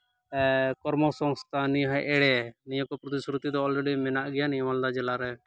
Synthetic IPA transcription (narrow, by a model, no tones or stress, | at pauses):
kɔɾmɔsɔ̃ŋst̪ʰaniɦɔʔɛɽɛnijɔ̃kɔpɾɔt̪isɾut̪id̪ɔːlɾeɖimɛnaʔɡɛjanijɔmald̪ad͡ʒɛlaɾɛ